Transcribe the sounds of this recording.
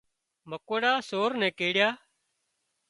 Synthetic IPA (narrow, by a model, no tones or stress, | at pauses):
məkəɽaːsoːɾnɛ̃ːkeːɽɪjaː